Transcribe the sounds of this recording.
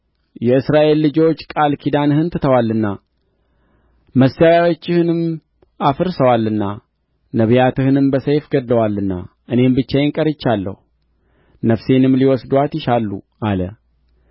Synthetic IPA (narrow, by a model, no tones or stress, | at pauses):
jɛɨsɾaʔe̞lːɨd͡ʒo̞t͡ʃːkʼalkʰid̪anhɨnt̪ʰɨ̥t̪ʰəwalːɨnːa | məsːawawo̞t͡ʃːɪhɨnɨm | afɨɾsəwalːɨnːa | nəβjat̪ɨhɨnɨmbəsəjfɡəd̪ləwalːɨnːa̰ | ʔɨne̞mbɨt͡ʃːajɪŋkʼəɾɨt͡ʃːalːə̰hu | nəfse̞nɨmːliwɔsd̪wat̪jɪʃalːṵʔalə̰